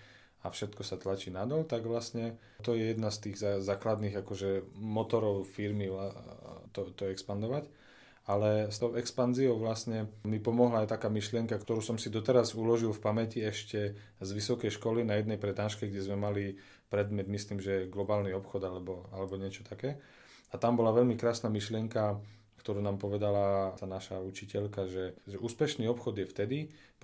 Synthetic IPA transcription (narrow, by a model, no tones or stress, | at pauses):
afʃɛt̪kɔsat̪lat͡ʃiːnad̪ɔlt̪aɡʋlastɲɛ | t̪ɔjɛjɛd̪nast̪iːɣzazaːklad̪niːɣakɔʒɛmɔt̪ɔɾɔʊfiɾmiʋat̪ɔt̪ɔɛkspand̪ɔʋac | alɛst̪ɔʊɛkspanziɔʊʋlasɲɛmipɔmɔɦlaːjt̪akaːmiʃlɪɛŋkakt̪ɔɾuːsɔmsid̪ɔt̪ɛɾazulɔʒilfpamɛciɛʃcɛ | zʋisɔkɛjʃkɔlinajɛd̪nɛjpɾɛd̪aːʃkɛɡɟɛzmɛmali | pɾɛd̪mɛd̪misliːmʒɛjɛɡlɔbaːlniɔpxɔd̪alɛbɔalɛbɔɲɪɛt͡ʃɔ̥t̪akɛː | at̪ambɔlaʋɛʎmikɾaːsnamiʃlɪɛŋka | kt̪ɔɾuːnaːmpɔʋɛd̪alat̪anaʃaut͡ʃicɛʎkaʒɛʒɛʔuːspɛʃniːɔpxɔd̪jɛft̪ɛd̪i